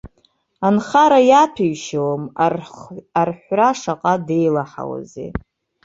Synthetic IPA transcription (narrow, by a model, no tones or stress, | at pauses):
anχaɾajapʰiɥʃawm | arħʷraʂaqʼade̞jlaħa̰wa̰zḛ